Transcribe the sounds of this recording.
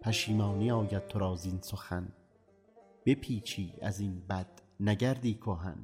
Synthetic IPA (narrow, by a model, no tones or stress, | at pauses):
pʰæʃiːmɑːnijɒːjæd̪̚t̪ʰːoɾɒːzinsoxæn | b̥epʰiːt͡ʃʰiːæ̰zinbæd̪̥næɟæɾd̪iːkʰoɦæ̰n